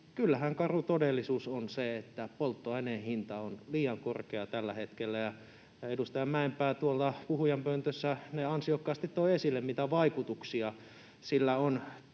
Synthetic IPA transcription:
kylːæhæŋkɑrut̪odelːisuːsonseet̪ːæpolt̪ːoɑenenhint̪ɑonliːjɑŋkorkeɑt̪ælːæhet̪kelːæjɑ | edust̪ɑjɑmmæempæːt̪uolt̪ɑpuhujɑmpønt̪øsːæneɑnsiokːɑːst̪it̪toiesilːemmit̪æʋɑikut̪uksiɑ | silːæon

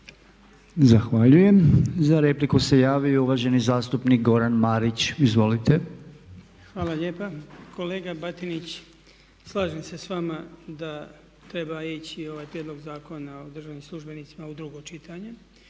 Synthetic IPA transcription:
zaxʋaʎuje̞mzaɾe̞plikuse̞jaːʋiouʋaʒe̞nizaːst̪upnik̚ɡo̞ɾanmaːɾit͡ɕizʋo̞lit̪e̞ | xʋaːlaʎe̞ːpako̞le̞ːɡabat̪init͡ɕ | slˠaːʒemse̞sʋamad̪a | t̪ɾe̞bait͡ɕio̞ʋaːjpɾjed̪lˠo̞ɡzaːko̞naod̪r̩ʒaʋnimslˠuʒbe̞nit̪simaud̪ɾuɡo̞t͡ʃit̪ʰaɲe̞

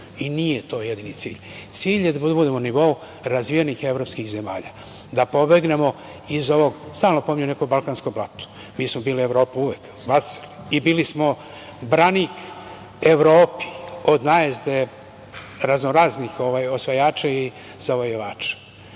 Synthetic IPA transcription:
inijet̪o̞ːjed̪init̪sḭːʎ | t̪siːʎjed̪abud̪bud̪e̞moniʋou | ɾazʋijenixe̞vɾo̞ːpskixze̞ma̰ːʎa | d̪apo̞beɡne̞mo̞ | izo̞ʋo̞ɡst̪aːlnopo̞miɲune̞kobalkaːnskoblˠat̪o̥ | miːsmobiːlie̞ʋɾo̞ːpuuʋek | ʋasi̥libiːlismo̞ | bɾanik | eʋɾoːpi̥o̞d̪najezd̪e | ɾaznoɾaznixo̞ʋaːjo̞sʋajaːt͡ʃai | z̥aʋojoʋaːt͡ʃḁ

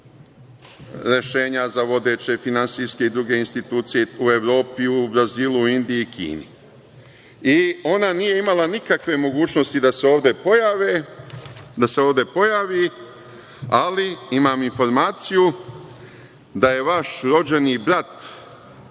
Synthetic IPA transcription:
ɾe̞ʃe̞ːɲazaʋo̞d̪e̞t͡ɕe̞finansiske̞id̪ɾuɡe̞inst̪it̪uːt̪sijeue̞ʋɾo̞ːpiubɾaziːlˠuind̪iiikʰḭːnḭ | io̞nanije̞imalanikakʋe̞mo̞ɡuːt͡ʃno̞st̪id̪aseoːʋd̪epojaʋe | d̪ase̞o̞ːʋd̪e̞po̞jaʋi | aliimaːminfo̞ɾmaːt̪siju | d̪aje̞ʋaʃɾo̞d͡ʑe̞nibɾat̪

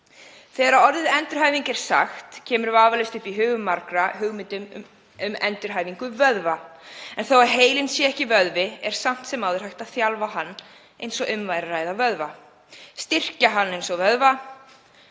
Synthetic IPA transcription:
θɛːɣaɾaɔɾðɪɛnt̪ʏɾ̥hajviŋkɛɾ̥sa̰xt̪cʰɛːmʏɾvaːvalɪst̪ʏhpiɦʏːɣʏmːaɾkɾaɦʏɣmɪt̪ʏm̰ | ʏmɛ̰nt̪ʏɾ̥ɦaːjviŋkʏvœðvaɛnθowaðɦeːjlɪnsjɛɛhcɪvœðvɪɛɾ̥sam̥t̪sɛmawðʏɾ̥hajht̪aðθjalvaɦanː | ejnsɔɣʏmvajɾaraːjðavœðva | st̪ɪr̥caɦanːejnsɔɣvœðva

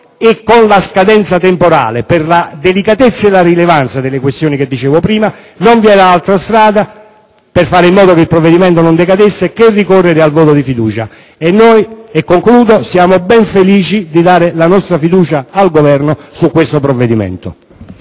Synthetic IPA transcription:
ɪkːonlaskad̪ɛnt̪sat̪empoɾa̰ːleperlad̪elikat̪et̪sːaelaɾilevant̪sad̪ɪlːekwest̪joːniked̪ːit͡ʃeːvopɾiːma | noɱviɛːɾaalt̪ɾast̪ɾaːd̪a | pɪrfaːɾɪimːɔːd̪okeilpɾovːed̪imɛnt̪onond̪ekad̪esːekerːikɔrːeɾɪalvoːt̪od̪ifid̪uːt͡ʃa | enːojekːoŋkluːd̪osjaːmobɛɱfeliːt͡ʃid̪id̪aːɾelanɔst̪ɾafid̪uːt͡ʃaːlɡovɛrnosukːwest̪opɾovːed̪imɛ̰nt̪o̰

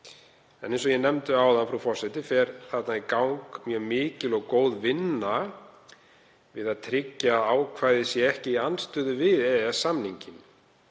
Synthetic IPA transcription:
ɛnejns̬ɔjɛnɛmt̪ʏaːwðanfɾawfɔr̥sɛt̪ɪfɛɾ̥θaɾ̥t̪naikawŋkmjœːmɪːcɪlɔɣkoːwðvɪnːa | vɪðaðt̪ʰɾɪcːaðaːwkʰvaːjðɪsjɛɛhcɪianst̪ʏːðʏvɪðɛasamniɲcɪn

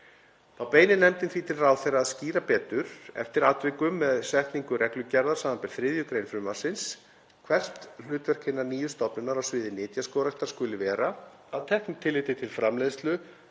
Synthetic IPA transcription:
θawpeːjnɪnɛmt̪ɪnθvit̪ʰɪlraːwθejraːðsciːɾapɛːt̪ʏɾ̥ɛ̰ft̪ɪɾat̪vɪkʏmːɛðsɛht̪niŋkʏrɛklʏcɛɾðaɾ̥saːmanpɛɾ̥θɾɪðjʏkɾeːjnfɾʏmasɪns | kʰvɛr̥t̪l̥ʏːt̪vɛr̥kʰɪnːaɾniːjʏst̪ɔpnʏnaɾawsvɪːðɪnɪːt̪jaskɔːwɾaɛht̪ḁɾskʏlɪvɛːɾa | awt̪ʰɛhknʏmt̪ʰɪlːɪjt̪ɪt̪ʰɪlfɾamlejðst̪lʏ

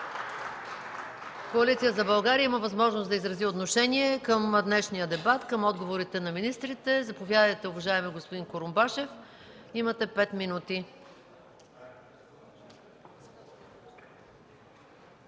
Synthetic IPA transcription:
koɐlit̪sijəzɐbɐlˠɡaɾiəiməvɐzmɔʒnosd̪ɐizɾɐziot̪noʃɛniɛkəmd̪nɛʃnijəd̪ɛbat̪kəmɔd̪ɡovoɾit̪ɛnɐminist̪ɾit̪ɛzɐpovʲjad̪əjt̪ɛʊvɐʒaɛmɛɡospʊd̪inkoɾʊmbaʃɛf | imɐt̪ɛpɛt̪minut̪i

